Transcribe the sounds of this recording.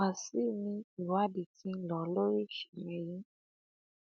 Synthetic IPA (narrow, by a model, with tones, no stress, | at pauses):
a˨si˦˨nĩ˧i˨wa˨˦di˨ti˧˦n̩˦lɔ˨lo˦ɾi˦ʃi̥˨mɛ̃˧ji˦